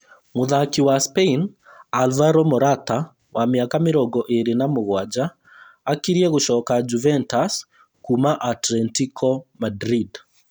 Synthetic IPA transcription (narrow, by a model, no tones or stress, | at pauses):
moðakiwaspein | alvaɾɔmɔɾata | wamjakameɾɔɡɔʔeɾenamoɣwad͡ʒaː | kiɾjɛɣoʃɔkad͡ʒuvɛntas | kumaʔatlɛntikʰɔmadɾid